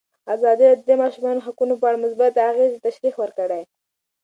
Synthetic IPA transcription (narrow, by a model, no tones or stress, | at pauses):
ɑzɑd̪iɾd̪d̪emɑʃumɑnoɦakunopəaɽamʊsbat̪haɣezt̪aʃɾixwəɾkəɽaj